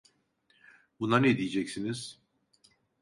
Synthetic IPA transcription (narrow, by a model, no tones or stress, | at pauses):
bunanɛd̪ijed͡ʒɛcsiniz̥